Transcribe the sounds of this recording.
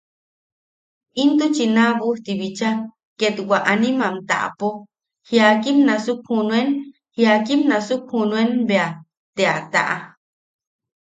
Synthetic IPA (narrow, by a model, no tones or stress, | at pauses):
int̪ut͡ʃinaβuht̪iβit͡ʃa | ket̪wʷaʔanimamt̪a̰ʔa̰po | hiakimnasuk̚hunwen | hiakimnasukhunuenbea | t̪eat̪a̰ʔa